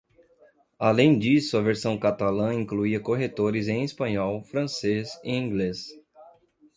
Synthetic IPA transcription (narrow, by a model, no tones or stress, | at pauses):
alẽj̃d͡ʒisʊɐveɾsɐ̃w̃kat̪alɐ̃ĩŋkluiɐkoɦet̪oɾɪzẽj̃espɐ̃ɲɔwfɾɐ̃sezɪĩŋɡles